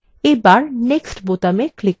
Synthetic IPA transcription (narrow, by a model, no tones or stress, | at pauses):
ejbaɾneksʈbot̪ameklik